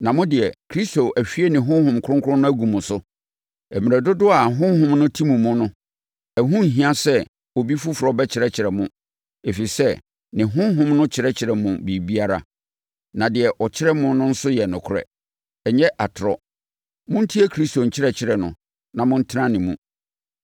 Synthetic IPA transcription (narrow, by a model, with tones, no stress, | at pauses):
nã˨mʊ̃˦dɪ˨ɛ˨kʰɾi˦sto˨æ˨fi˦e˦nɪ̃˨ɦʊ̃˦ɦʊ̃˨mkʰʊ̃˦ŋkʰʊ˦ɾʊ̃˦nʊ̃˦æ˦ɡũ˨mʊ̃˨sʊ˦ | ɛ˨mĩ˨æ˨dʊ˦dʊ˦a˨ɦʊ̃˦hʊ̃˦mnʊ̃˦tʰi˦mũ˨mʊ̃˦nʊ̃˦ | ɛ˨ɦũ˦˨ɦĩ˦ã˦sɛ˦ | o˨bi˦fu˦fʊ˨ɾɔ˦bɛ˦t͡ɕʰɪ˨ɾɛ˦˨t͡ɕʰɪ˨ɾɛ˨mʊ̃˦ | e˨fi˨i˨sɛ˦ | nɪ̃˨ɦʊ̃˦ɦʊ̃˦mnʊ̃˦t͡ɕʰɪ˨ɾɛ˦t͡ɕʰɪ˨ɾɛ˨mʊ̃˨bi˨bi˦a˦ɾa̰˨ | nã˨dɪ˨ɛ˨ʔɔ˨t͡ɕʰɪ˦ɾɛ˦mʊ̃˦nʊ̃˦n̩˦sʊ˦jɛ˨nʊ̃˨kʰʊ˦ɾɛ̰˨ | ɛ˨ɲɛ˦ʔa˨tʰɾɔ˨ | mʊ̃˦n̩˦tʰi˦ɛ˦kʰɾi˦sto˨ɲ̩˨t͡ɕʰɪ˦ɾɛ˨t͡ɕʰɪ˦ɾɛ˨nʊ̰̃˨ | nã˨mʊ̃˦n̩˦tʰɪ˦nã˦nɪ̃˨mũ˦